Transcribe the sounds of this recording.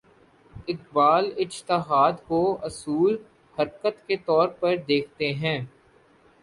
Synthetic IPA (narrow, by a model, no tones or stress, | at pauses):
ɪq̚baːlɪd͡ʒt̪ɪɦaːd̪koɐsuːl | hɐɾkət̪ket̪ɔːɾpɐɾd̪eːkʰt̪eɦɛ̃ː